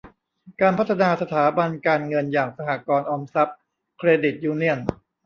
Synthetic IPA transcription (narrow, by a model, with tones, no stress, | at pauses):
kaː˧npʰa˦˥t̪ʰːa˧naː˧sa˧t̪ʰaː˩˦ba˧nkaː˧nŋɤ˧njaː˨˩ŋsa˧haː˨˩kɔː˧nʔɔː˧msa˦˥p̚ | kʰɾeː˧di˨˩t̪̚juː˧ni˥˩ən